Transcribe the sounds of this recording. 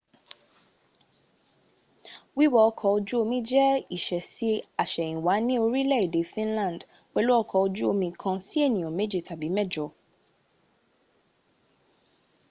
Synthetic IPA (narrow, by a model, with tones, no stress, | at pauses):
wi˦wɔ˦ɔ˧kʰɔ˧o˧d͡ʒu˦o˧mĩ˦d͡ʒɛ˦i˦˨ʃɛ˨si˨˦a˨ʃɛ˨ĩ˨wa˨˦nĩ˦o˧ɾi˦lɛ˦˨i˨de˨˦fĩ˦nlã˦˨d | k͡pɛ˧lo˦ɔ˦˧kʰɔ˧o˧d͡ʒu˦o˧mĩ˧kʰã˧si˦e˦˨nĩ˨j̃ɔ̃˨me˨˦d͡ʒe˦˨ta˨bi˨˦mɛ˦˨d͡ʒɔ˨˧